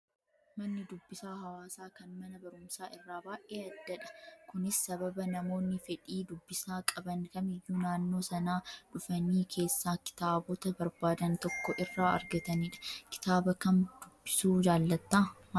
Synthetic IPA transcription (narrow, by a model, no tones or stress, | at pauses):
mɐnːɪd̪ʊbːɪsaːɦɐwaːsaːkɐnmɐnɐbɐɾʊmsaːɪrːaːbaːʔʔeːɐd̪ːɐᶑɐ̥kʊnɪsːɐbɐbɐnɐmo̞ːnːɪfɛᶑiːd̪ʊbːɪsaːkʼɐbɐnkɐmɪjːuːnaːnːo̞ːsɐnaːᶑʊfɐniːkʰe̞ːsːaːkɪ̥t̪aːbɔt̪ɐbɐɾbaːd̪ɐnt̪ɔkːɔʔɪrːaːɐ̰ɾɡɐt̪ɐniːᶑɐ̥kɪ̥t̪aːbɐkɐnd̪ʊbːɪsuːd͡ʒaːlːɐt̪ːaː